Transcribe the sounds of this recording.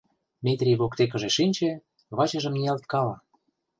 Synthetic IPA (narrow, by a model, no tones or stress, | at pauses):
mʲet̪ɾʲijβokt̪ek̬ə̆ʒeʃinʲt͡ɕĕ | βɑt͡ɕə̆ʒə̆mnijɑlt̪̚kɑlɑ